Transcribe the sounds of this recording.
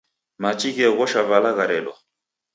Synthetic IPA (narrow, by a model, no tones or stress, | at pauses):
mat͡ʃiɣɛɣɔʃavalaɣaɾɛɗɔ